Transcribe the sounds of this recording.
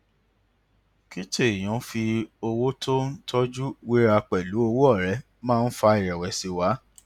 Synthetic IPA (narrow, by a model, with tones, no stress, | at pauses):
ki˦te˦˨i˨j̃ɔ̃˨˦fi˧o˧wo˦tʰo˦n̩˦tʰɔ˦d͡ʒu˦wi˦ɾa˧k͡pɛ˨lu˨˦o˧wo˦ɔ˦˨ɾɛ˨˦ | mãː˦˧n̩˦fa˧i˨ɾɛ˨wɛ˨si˧wa˨˦